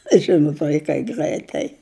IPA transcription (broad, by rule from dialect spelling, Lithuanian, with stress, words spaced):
ˈʒʲɪnʊt ʋɐɪˈkɐɪ ˈɡrɐɪtɐɪ